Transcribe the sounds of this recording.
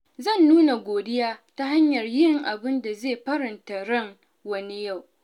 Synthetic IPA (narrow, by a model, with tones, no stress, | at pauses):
zɐ˦˨nːuː˦na˨ɡʷoː˨dɪ˦jaː˦ta˦ɦa˦ɲjɐ˨rjɪ˦ŋʔa˨bɪ˦nda˨zeː˦˨ɸɐ˦ɾɐ˨nta˨ɽɐ˦˨ŋ | wɐ˦ni˦ja˦˨w